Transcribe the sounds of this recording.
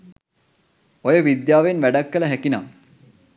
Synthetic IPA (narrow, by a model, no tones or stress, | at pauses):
ojəʋid̪jaːʋenʋæɖakːələɦækina̰ː